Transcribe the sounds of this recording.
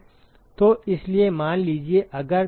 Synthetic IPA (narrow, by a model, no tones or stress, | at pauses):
t̪oɪsliemaːnliːd͡ʒieʔɐɡəɾ